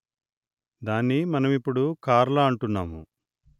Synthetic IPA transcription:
d̪aːnːimɐnɐmipːuɽukaːɾlɐːɳʈunːaːmṵ

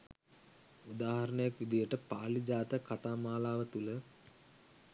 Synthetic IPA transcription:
ud̪aːɦɐɾəɳəjakʋid̪ijəʈəpaːlid͡ʒaːt̪əkat̪aːmaːlaːʋət̪ulə

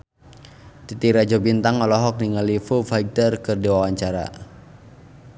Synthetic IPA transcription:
t̪it̪iɾad͡ʒɔbint̪aŋɔlɔɦɔk̚niŋalifufajɡ̚t̪ərkɨrdiwawaɲt͡ʃaɾa̰

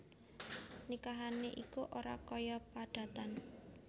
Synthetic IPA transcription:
nikaɦaneʔikuʔoɾa̰kɔjɔpaɖ̥a̤t̪an

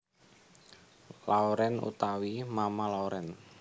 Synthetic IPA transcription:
laoɾɛnṵt̪awimamalauɾɛn

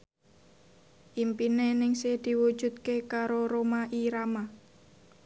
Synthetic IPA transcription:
ʔimpinenɪŋsehd̪̥i̤wu̥ʒ̥ṳt̪̚kekaɾoɾomaʔiɾama

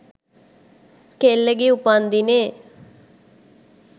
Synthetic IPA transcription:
keːlːeɡiːʊpãːnd̪iːneː

